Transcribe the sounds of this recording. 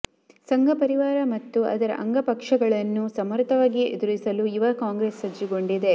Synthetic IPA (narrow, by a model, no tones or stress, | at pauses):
sɐŋɡʱɐpɐɾiʋaːɾɐmɐt̪ːuɐ̰d̪ɐɾɐ̰ʔɐ̰ŋɡɐpɐkʂɐɡɐɭɐnːusɐmɐɾt̪ɐʋaːɡiḛd̪uɾisɐluiʋɐkaːŋɡɾeːsːɐd͡ʒːiɡo̞ɳɖid̪e